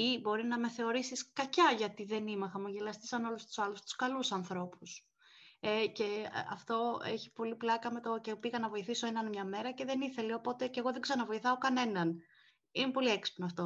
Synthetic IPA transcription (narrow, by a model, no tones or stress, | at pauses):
ibo̞ɾinɐme̞θe̞o̞ɾisiskɐcɐʝɐt̪iðe̞nimɐxɐmuʝelɐst̪isɐno̞lust̪u̥sɐlust̪u̥skɐlusɐnθɾo̞pus | ece̞ɐ̰ft̪o̞eçi̥po̞liplɐkɐmet̪ocepiɣɐnɐvo̞iθiso̞enɐnmɲɐme̞ɾɐce̞ðe̞niθe̞leo̞po̞t̪e̞ceɣo̞ðe̞ɡzɐnɐvo̞iθɐokɐne̞nɐn | imepo̞lieksi̥pnoɐft̪o̞